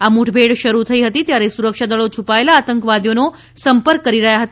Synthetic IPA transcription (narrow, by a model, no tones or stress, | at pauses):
amuʈʰbʱeɽʃəɾut̪ʰəiɦət̪it̪jaɾesuɾəkʃad̪əɭot͡ʃʰupaelaːt̪əŋkəʋad̪jono | səmpəɾkːəɾiɾəɦjaɦət̪